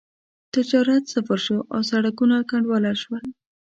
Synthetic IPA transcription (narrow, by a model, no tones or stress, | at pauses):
t̪ɪd͡ʒɑɾat̪safaɾʃoʔa̰wsaɽakunakaɳɖwɑlaʃwal